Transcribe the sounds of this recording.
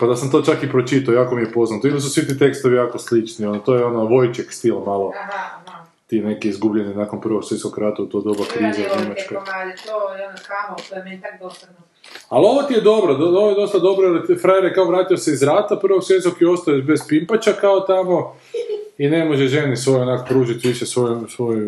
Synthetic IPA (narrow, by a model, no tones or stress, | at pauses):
pad̪asamt̪o̞t͡ʃakipɾot͡ʃit̪aojaːkomijepo̞znat̪oimas̬usʋit̪it̪e̞kst̪oʋijaːko̞slit͡ʃnio̞not̪ojeo̞noʋo̞jt͡ʃekst̪ilˠmalˠo̞ | t̪ine̞kiizɡubʎeninakonpr̩ʋo̞kseskokɾaːt̪aut̪o̞d̪obakɾiːzaɲemat͡ʃko | alo̞ʋot̪ijed̪o̞bɾod̪ooʋojed̪ost̪ad̪o̞bɾoeɾt̪fɾajeɾjekaoʋɾaːt̪iose̞izɾaːt̪apr̩ʋoksʋeskokio̞st̪ajeʃbe̞zpimpat͡ʃakaot̪amo̞ | ine̞moʒeʒe̞nisʋo̞jonakopɾuːʒit̪ʋiʃesʋojsʋo̞j